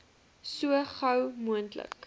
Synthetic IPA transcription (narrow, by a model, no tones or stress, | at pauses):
suəχɐwmuəntlə̰k